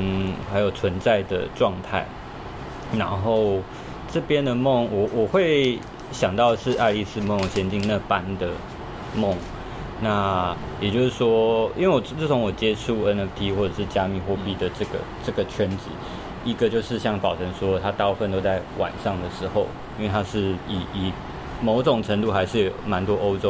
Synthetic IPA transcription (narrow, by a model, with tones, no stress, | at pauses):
xa˧˥ɪjo˨˩ʊt͡sʰwə˧˦nt͡sa˥˩ɪd̪ə̰˩ʈ͡ʂwɑ˥˧ŋt̪ʰa̰˥˩ɪ | na˧˥nxo˥˩˧ʊ | ʈ͡ʂɤ˥˩pjɛ˥nd̪ə˨mo˥˩ŋwɔ˨˩wʔɔ˨˩xwe˥˩ɪ | ɕjɑ˨˩ŋt̪ɑ˥˧ʊəʂɻ̩˥˧ʔa˥˧ɪli˥˩sɹ̩˥mo˧˥˧ɕjɛ˥nt͡ɕi˥˧ŋna˥˩pa˦nd̪ə˨ | mɔ˥˨˩ŋ | na˥˩˨ | jɛ˨˩t͡ɕjo˥˧ʊʂɻ̩˥˩ʂwɔ˥ḭ˥nwe˥˩wɔ˨˩˥t͡s̩ʰ˥˩o˧˥ŋwɔ˨˩t͡ɕjɛ˥ʈ͡ʂʰu˥˩ɛ˥nɛ˥ft̪ʰi˥xwɔ˥˩ʈ͡ʂə˨˩ʂɻ̩˥˩t͡ɕja˥mi˥˧xwɔ˥˧˥pi˥˧d̪ə˩ʈ͡ʂɤ˥˩ɡə̰˩ʈ͡ʂɤ˥˩ɡə˩t͡ɕʰɥɛ˦˥nt͡ɕḭ˨˦ | i˧˥ɡə˨t͡ɕjo˥˧ʊʂɻ̩˥˧ɕjɑ˥˩ŋpɑ˨˩ʊʈ͡ʂʰə˧˥ŋʂwɔ˥t̪ʰa˥t̪a˥˧u˥˧fə˥˧nt̪o˥ʊt͡sa˥˩ɪwʔa̰˨˩nʂɑ˥˩ŋd̪ə˩ʂɻ̩˧˥xo˥˧ʊ | i˥nwe˥˩ɪt̪ʰa˥ʂɻ̩˥˩i˨˩i˨˩ | mo˧˥ʊʈ͡ʂʊ˨˩ŋʈ͡ʂʰə˧˥ŋt̪u˥˩xa˧ɪʂɻ̩˥˩jo˨˩ʊma˧˦nt̪wɔ˥ʔo˥ʊʈ͡ʂo˥ʊ